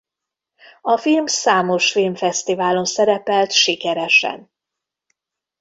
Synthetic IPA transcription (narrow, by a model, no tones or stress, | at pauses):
ɒfilmsaːmo̞ʃfilmfɛst̪ivaːlo̞nsɛɾɛpɛlt̪ʃikɛɾɛʃɛ̰n